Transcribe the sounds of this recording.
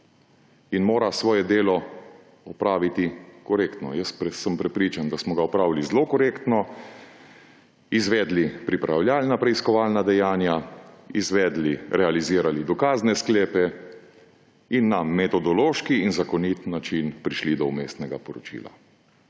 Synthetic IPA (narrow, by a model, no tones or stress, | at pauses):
inmoːɾasʋɔːjɛd̪eːlɔ | ɔpɾaːʋit̪ikɔɾeːkt̪nɔ̰jəspsːəmpɾɛpɾiːt͡ʃand̪asmɔɡaɔpɾaːwilizlokɔɾeːkt̪nɔ | izʋɛːd̪lipɾipɾawlʲjaːlnapɾɛiskɔʋaːlnad̪ɛjaːnjaizʋɛːd̪liɾɛaliziːɾalid̪ɔkaːznɛskleːpɛ | inːamɛt̪ɔd̪ɔloːʃkiːnzakɔnit̪nːat͡ʃinpɾiʃlid̪ɔumeːst̪nɛɡapɔɾɔt͡ʃḭːla̰